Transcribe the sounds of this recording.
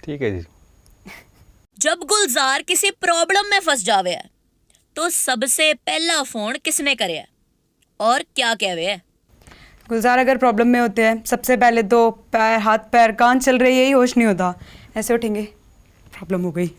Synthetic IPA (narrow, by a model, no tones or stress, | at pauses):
ʈʰiːkɦɛd͡ʒḭ | d͡ʒəbɡʊlzaːɾkɪsipɾɔːbləmːẽfəsd͡ʒaːʋeɛ̰ː | t̪oːsəbseːpɛːlafoːnkɪsnẽkəɾeɛ̰ː | ɔːɾkjaːkɛːʋeːɛː | ɡʊlzaːɾɐɡəɾpɾɔːbləmːẽɦoːt̪eɦɛ̃ːsɐbsep̬ɛːlet̪oːpɛːɦaːt̪̚ʰpɛːɾkãːnt͡ʃɐlɾəijeɦiɦoːʃnəĩɦoːt̪aːɛːseʊʈʰẽːŋɡeː | pɾɔːbləmɦoːɡəiː